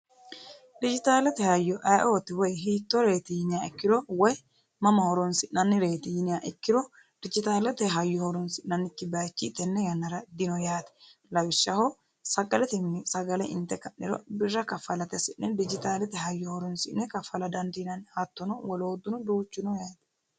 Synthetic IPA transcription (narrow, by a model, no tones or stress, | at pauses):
d̪ɪd͡ʒɪt̪aːlɛt̪ɛhɐjːɔʔajʔoːt̪ɪwɔjɦiːt̪ːɔɾe̞ːt̪ɪjɪnɪjaɪkːɪɾɔwɔj | mɐmɐhɔɾɔnsɪʔnnɐnːɪɾe̞ːt̪ɪjɪnɪjaʔɪkːɪɾɔ | d̪̥ɪd͡ʒɪt̪aːlɛt̪ɛɦɐjːɔhɔɾɔnsɪʔnɐnːɪkːɪbaːt͡ʃːit̪ːɛnːɛjɐnːɐɾɐd̪ɪnɔjaːt̪ɛ̥lɐwɪʃːɐhɔ | sɐɡɐlɛt̪ɪnːɪsɐɡɐlɛʔɪnt̪ːɛkɐnːɪɾɔ̰bɪrːɐkɐfɐlɐt̪ɛsɪnːɛd̪ɪd͡ʒɪt̪aːlɛt̪ɛɦɐjːɔhɔɾɔnsɪʔnːɛkɐfɐlɐd̪ɐnd̪inɐnhɐt̪ːɔnɔwɔloːd̪ʊnɔd̪uːt͡ʃːɪnɔjaːt̪ɛ̥